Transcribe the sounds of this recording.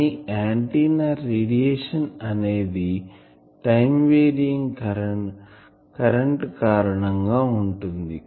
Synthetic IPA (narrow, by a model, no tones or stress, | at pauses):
iaːɳʈiːnaːeːɽijeːʂɐnɐneːd̪i | ʈɐjmʋeːɾiŋɡ | kɐɾɐɳʈkaːɾɐɳɐŋɡaːuɳʈund̪i